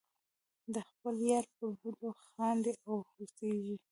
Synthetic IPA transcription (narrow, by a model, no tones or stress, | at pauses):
d̪əxpəljɑɾpəbud̪oxɑnd̪eʔawxuseʒi